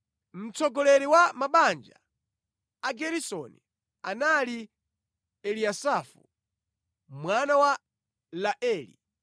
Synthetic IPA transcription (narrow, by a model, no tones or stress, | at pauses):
m̩t͡sʰɔɡɔlɛɾiwamaɓand͡ʒa̰ | aɡɛɾisɔni | anali | ɛliasafṵ | mwanawa | laʔɛːlḭ